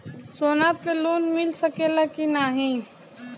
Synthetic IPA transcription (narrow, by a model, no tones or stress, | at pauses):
soːnapeloːnmɪlsəkelakinaɦĩ